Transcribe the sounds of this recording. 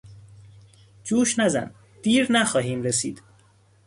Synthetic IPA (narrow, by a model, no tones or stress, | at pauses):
d͡ʒuːʃnæzæ̰n | d̪̥iːɾnæxɒːɦiːmɾesiːd̪̥